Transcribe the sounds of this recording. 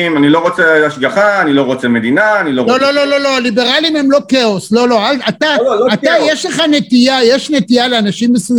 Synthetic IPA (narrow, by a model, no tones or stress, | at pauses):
manilo̞ʁo̞t͡seaʃɡaχaːnilo̞ʁo̞t͡seme̞d̪inaːnilololo̞lo̞lo̞lo̞alibe̞ʁalimhe̞mlo̞keo̞slo̞lo̞alat̪aat̪ajeʃleχanet̪ijajeʃnet̪ijaleanaʃimbesuz